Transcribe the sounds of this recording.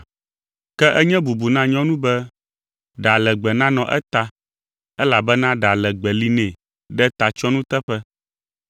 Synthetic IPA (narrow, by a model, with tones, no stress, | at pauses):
kɛ˦ʔɛ˦ɲɛ̃˦bu˨bu˨nã˦ɲɔ̃˦nũ˦bɛ˦ | ɖa˨lɛ˨ɡ͡bɛ˨nã˦nɔ̃˨ʔɛ̰˦t̪a˦ | ɛ˦la˨bɛ˦nã˦ɖa˨lɛ˨ɡ͡bɛ˨li˨nɛ̃˨ | ɖɛ˦t̪a˨t͡ʃɔ˦nũ˦t̪ɛ˦ɸɛ˦